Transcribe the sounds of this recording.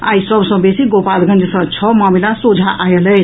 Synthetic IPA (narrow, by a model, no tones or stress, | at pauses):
a̰jsʌbʱsʌ̃besiɡopalɡʱʌnd͡zʱesʌ̃t͡sʰʌmamilasod͡zʱaʔajelʌj